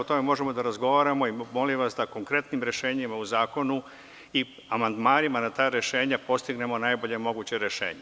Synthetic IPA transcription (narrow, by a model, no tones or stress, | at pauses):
ot̪ome̞mo̞ʒe̞mo̞d̪aɾazɡo̞ʋaːɾamo̞imo̞limʋasd̪ako̞ŋkɾe̞t̪nimɾe̞ʃe̞ːɲimauzaːko̞nu | i | amand̪maːnimanat̪aːɾeʃe̞ːɲapo̞st̪iɡne̞mo̞najbo̞ʎemo̞ɡuːt͡ɕeɾeʃḛːɲe